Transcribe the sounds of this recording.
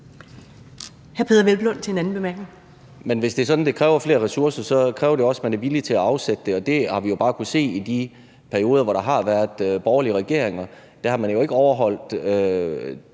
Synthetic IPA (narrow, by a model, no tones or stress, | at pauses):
hæɐpʰe̝ðˠɐʋelb̥lɔ̽n̰t͡sʰe̝nænn̩b̥emæɐɡ̥neŋ | menʋe̝sd̥e̝sɒ̽d̥n̩d̥e̝kʰʁɛːʊɐfle̝ːɐʁɛsuɐsɐsɒ̽kʰʁɛːʊɐɾe̝ɒ̽smænæɐʋilit͡sʰe̝læɑ̈ʊsed̥əd̥e̝ɒ̽d̥e̝hɑ̈ʋijo̝b̥ɑ̈ːkʰuð̩se̝̰ːid̥i | pʰæɐio̝ːðˠɐʋɒɾ̥ɑ̈ɦɑ̈ʋæːɐðˠb̥ɒʊɐliəʁɛɡ̥e̝ɐ̰eŋɐ | d̥ehɑ̈mænjo̝e̝ɡ̥əɒʊɐɦɒ̽l̰d̥ø